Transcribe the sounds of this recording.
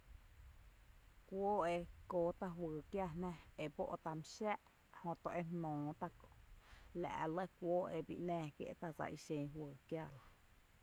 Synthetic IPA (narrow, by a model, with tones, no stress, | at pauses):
kʷoː˦e˧koː˦t̪a˧ɦwɨː˨kja˦˧˨nɛ̃˦e˧bo̰˦ʔt̪a˧mʃa˦ʔ | hõ˧t̪õ˧ʔe˦mnõː˨t̪a˧ko˨ʔla̰˨ʔlə˦kʷoː˦ʔe˧bḭ˧ʔnɛ̃ː˦˧kjḛ˦ʔt̪a˧d͡za̰˧ʔi˧ʃẽ˧ɦwɨː˨kja˦˨la˨